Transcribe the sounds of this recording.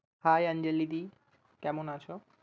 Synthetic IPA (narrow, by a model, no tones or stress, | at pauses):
hajand͡ʒelːid̪i | kɛmonat͡ɕʰɔ